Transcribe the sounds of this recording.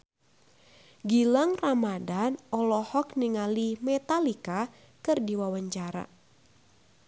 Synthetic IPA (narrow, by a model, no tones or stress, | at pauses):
ɡilaŋramadanɔlɔhɔkniŋalimɛt̪alika | kɨrdiwawaɲt͡ʃaɾa̰